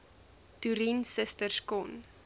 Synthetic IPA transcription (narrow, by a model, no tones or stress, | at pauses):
tuɾinsəstərskɔn